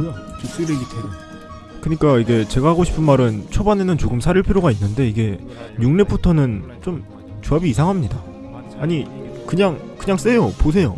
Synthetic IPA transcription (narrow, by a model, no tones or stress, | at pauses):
ɯat͡ɕok̚s͈ɯɾeɡitʰenɯ | kɯɲik͈aiɡe̞t͡ɕe̞ɡaɦaɡoɕʰi̥pʰɯnmaɾɯnt͡ɕʰobane̞nɯnt͡ɕoɡɯmsʰaɾiɭpʰiɾjoɡainːɯnde̞iɡe̞ | ɲuŋne̞pʰutʰʌnɯnt͡ɕom | t͡ɕuabiːsʰaŋɦamɲida | aɲikɯɲaŋkɯɲaŋs͈e̞jopos̬ʰe̞jo̰